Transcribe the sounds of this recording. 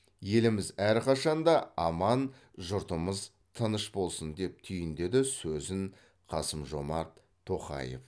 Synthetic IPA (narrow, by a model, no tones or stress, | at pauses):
je̞lɪmɪzæɾqʰɑʃɑnd̪ɑɑmɑn | ʒʊɾt̪əməz | t̪ʰənəʃbo̞lˠsənd̪e̞p̚t̪ʰʏjɪnd̪e̞d̪ɪsɵzɪŋ | qʰɑsəmʒo̞mɑɾt̪ʰːo̞qɑ̰je̞̰f